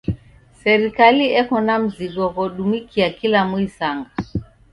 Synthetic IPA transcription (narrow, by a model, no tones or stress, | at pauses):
sɛɾikaliɛkɔnam̩ziɡwɔɣɔɗumikʰiakilamuisaŋɡa